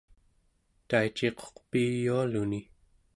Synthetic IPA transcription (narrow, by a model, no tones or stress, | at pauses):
t̪ait͡ʃeqʰo̥qpiːjualuni